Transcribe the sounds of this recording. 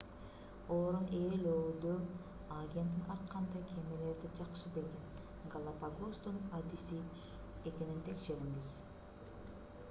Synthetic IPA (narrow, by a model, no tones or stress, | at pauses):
oːɾuneːløːd̪ø | aɡʲe̞nt̪inɑɾt̪qːɑnd̪ɑkʰʲemele̞ɾd̪id͡ʒɑqʃɯbe̞lɡen | ɡalˠapaɡost̪unad̪isi | eke̞nint̪ʰe̞kʃe̞ɾiŋɡiz̥